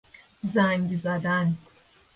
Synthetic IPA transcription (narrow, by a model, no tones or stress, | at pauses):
zaːŋɡʲizad̪aːni